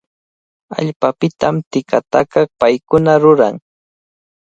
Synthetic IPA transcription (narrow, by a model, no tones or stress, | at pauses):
a̰ʎpapɪt̪amt̪ɪkat̪akɑpajkʊnaɾʊɾa̰ŋ